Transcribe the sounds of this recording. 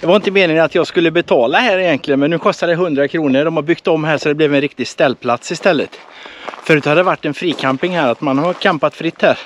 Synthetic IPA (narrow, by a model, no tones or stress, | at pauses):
d̪ɑvaɪnt̪əmeːnɪŋat̪jɑːɡskɵlːəbɛt̪ʰɑːlaɦæːɾɪjɛnt̪lɪɡənmɛnːʉ̟ːkʰɔst̪ad̪ɛɦɵnd̪ɾakʰɾuːnəɖɔmhabʏkt̪ɔmːhɦæːʂsɔd̪ɛblɛvɛnɾɪk̚t̪ɪɡst̪ɛlːpʰlat̪sɪst̪ɛlːə̰t̪ | fœɾt̪had̪ːəvaʈːɛnfɾiːkʰampɪŋhæːɾat̪manhaɾkʰɛmpat̪fɾɪt̪ːhæːɾ